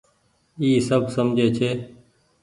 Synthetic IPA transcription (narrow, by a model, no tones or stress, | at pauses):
iːsəbʱsəmd͡ʒʱeːt͡ʃʰeː